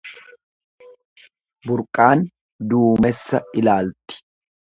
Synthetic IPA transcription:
bʊɾkʼːaːn | d̪uːmɛsːɐɪlaːlt̪ːɪ̥

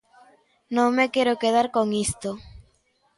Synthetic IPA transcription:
nõŋmekeɾokeð̞aɾkoŋist̪o

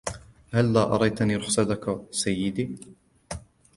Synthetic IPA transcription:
halːaːʔɑɾˤɑjt̪aniːɾʊxsat̪akasajːɪd̪iː

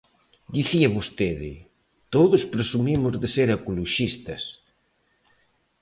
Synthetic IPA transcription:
d̪iθiaβost̪eðɪ̰ | t̪oðospɾesumimʊzðeseɾakuloʃist̪ɐ̰s

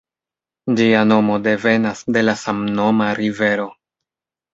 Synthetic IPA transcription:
d͡ʒiano̞mo̞de̞ve̞nasde̞lasamno̞maɾive̞ɾo̞

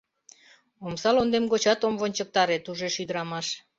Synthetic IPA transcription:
omsɑlond̪emɡot͡ɕɑt̪omβonʲt͡ɕək̚t̪ɑɾet̪uʒeʃyd̪əɾɑmɑʃ

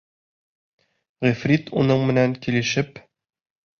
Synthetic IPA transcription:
ʁifrʲit̪unɤɴmɘ̆næŋkilɘ̆ʃɘp

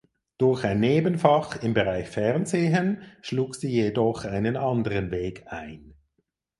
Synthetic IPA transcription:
d̥ʊɐçaɪnːeːbənfɑχɪmbəʁaɪçfɛʁnzeːɦənʃluːkziːjedɔχaɪnənʔɑndəʁənveːkaɪn

